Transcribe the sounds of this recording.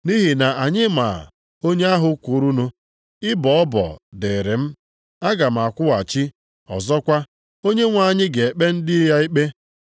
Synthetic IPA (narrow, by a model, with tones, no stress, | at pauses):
ni˦ɦi˨na˨a˨ɲɪ˦ma˨ | o˦ɲe˦a˦ɦʊ˦kʷu˨˦ɾu˦nu˦ | ɪ˦bɔ˨ɔ˦bɔ̰˨de˨ɾe˨m̩˦ | a˦ɡa˨m̩˨a˨kʷʊ˦wa˨t͡ʃi˦ | ɔ̰˨zɔ˦kʷa˦ | o˦ɲe˦ŋʷa˨ɲɪ˦ɡe˨e˨k͡pe˦n̩˦dɪ˦ja˦i˦k͡pe˦